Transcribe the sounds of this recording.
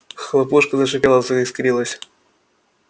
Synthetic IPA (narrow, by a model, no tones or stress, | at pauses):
xlˠɐpuʂkəzəʂɨpʲɛlˠəsəskɾʲilˠəsʲ